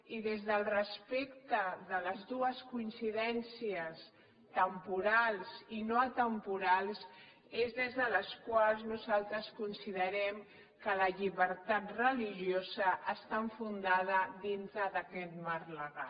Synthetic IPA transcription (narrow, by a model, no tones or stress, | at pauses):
iðezðəlˠrəspekt̪əðələzðuəskuinsiðɛnsiəs | t̪əmpuɾalˠzinoat̪əmpuɾalˠs | ezðezðələskwalˠznuzalˠt̪ɾəskunsiðəɾɛm | kələʎiβəɾt̪at̪rəliʒiozəʔːst̪aəɱfund̪að̞əðint̪ɾəðəkɛt̪marləɣa